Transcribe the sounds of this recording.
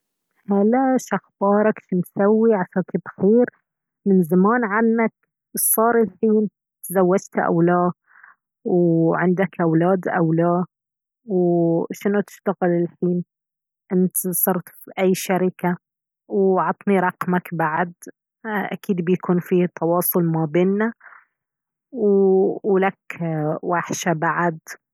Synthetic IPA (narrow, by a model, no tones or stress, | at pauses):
halaʃaxbɑːɾˤɑkʃinsawːiʕaʃakɪbxiːɾ | mɪnzamaːnʕanːak̚ | sˤɑːɾˤɪlħiːn | t̪zawːad͡ʒt̪ʔa̰wlaː | wʕɪnd̪akʔawlaːd̪ʔa̰wlaː | wʃɪnʊt̪ɪ̥ʃt̪aɣɪlɪlħiːn | ʔɪnt̪sˤɑɾˤt̪fiʔajːʃaɾɪka | wʕɑt̪ˤniɾˤɑqmakbaʕd̪ | ʔa̰kiːd̪bɪjakuːnfiːt̪ʰːɑwɑːsˤʊlmabeːnːa | wwlakwaħʃabaʕad̪